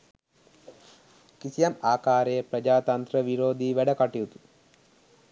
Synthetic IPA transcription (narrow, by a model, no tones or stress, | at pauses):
kisijɐmaːkaːɾejəpɾɐd͡ʒaːt̪ɐnt̪ɾəʋiɾoːd̪iːʋæɖəkaʈijut̪u̥